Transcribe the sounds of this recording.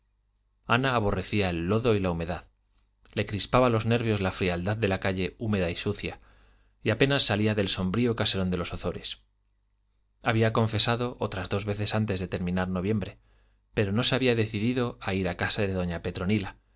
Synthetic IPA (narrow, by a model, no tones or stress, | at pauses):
anaːβ̞o̞re̞θiae̞lːo̞ðo̞ilaumeðað | le̞kɾispaβalo̞zne̞ɾβjo̞zlafɾiald̪aðːe̞lakaʎe̞ume̞ðaisuθja | iape̞nasːaliaðe̞lso̞mbɾiokase̞ɾo̞nd̪e̞lo̞soθo̞ɾe̞s | aβ̞iakõ̞ɱfe̞saðo̞ʔo̞t̪ɾazðo̞zβe̞θe̞sant̪e̞zðe̞t̪e̞ɾmĩnaɾno̞β̞je̞mbɾe̞ | pe̞ɾo̞no̞se̞aβiaðe̞θiðiðo̞aiɾakasaðe̞ðo̞ɲape̞t̪ɾo̞nila